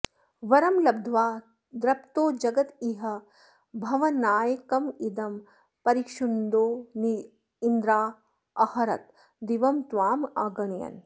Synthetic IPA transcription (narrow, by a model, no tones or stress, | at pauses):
ʋɐɾɐmlɐb̚d̪ʱʋaː | d̪ɾɐpt̪oːd͡ʒɐɡɐt̪iɦɐ̆ | bʱɐʋɐnaːjɐkɐmid̪ɐm | pɐɾikʂund̪oːni | ind̪ɾaː | ɐhɐɾɐ̰t̪ | d̪iʋɐmt̪ʋaːmaːɡɐɳɐjɐ̰n